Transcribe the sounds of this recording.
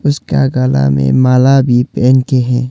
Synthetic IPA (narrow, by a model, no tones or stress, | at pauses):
ʊskaɡaːla̰mḛ̃maːlabʱipɛːnkeɦɛ̃ː